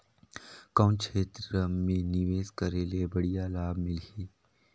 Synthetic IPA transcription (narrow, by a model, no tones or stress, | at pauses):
kaʊ̃nkt͡ʃʰeːt̪ɾəmẽnɪʋeːzkəɾeːlebəɽijaːlaːbmɪliː